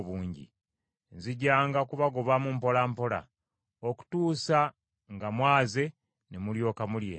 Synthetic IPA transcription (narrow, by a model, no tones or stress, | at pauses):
βuːɲɟḭ | nziɟːaːŋɡakuβaɡoβamumpo̞lampo̞la̰ | oku̥tuːsa | ŋɡamwaːze̞ | nemuljo̞ːkamuljḛː